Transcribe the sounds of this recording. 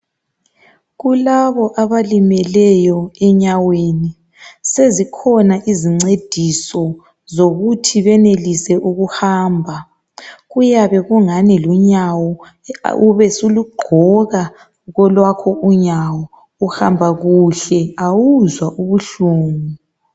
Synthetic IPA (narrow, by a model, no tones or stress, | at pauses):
ɣulaβɔʔaβalimɛlɛjɔɛɲaweni | sezikʰɔnaʔiziŋ͡ǀed̥ʱisɔ | zoɣutʰiβɛnelisɛʔuɣuhaːmbʱa | ɣujaβɛɣuŋanɛluɲawɔ̰ | uβɛsuluɡ͡ǃʱɔɣa | ɣɔlwakʰɔuɲawɔ | uhambʱaɣuɬɛawuzwaʔuβuɬuːŋu